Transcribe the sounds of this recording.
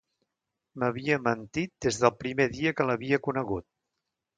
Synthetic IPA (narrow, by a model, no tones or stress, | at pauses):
məβiəmənt̪it̪̚d̪ezðəlˠpɾimeðiəkələβiəkunəɣut̪̚